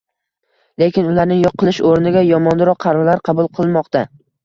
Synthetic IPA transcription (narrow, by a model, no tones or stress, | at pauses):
le̞kʲɪnʊlaɾnɪŋjoqʰːɨlˠɪʃoɾnɪɡʲajɒmɒnd̪ɪɾɒqʰɑɾalaɾqʰɑbʊlˠqʰɨlˠmɒqt̪ʰa